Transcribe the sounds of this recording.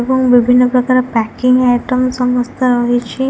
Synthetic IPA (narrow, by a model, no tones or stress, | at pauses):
ebɔŋbibʱinːɔpɾɔkaɾɔpɛkiŋajʈɔmsɔmɔst̪ʰaɾɔɦit͡ʃʰi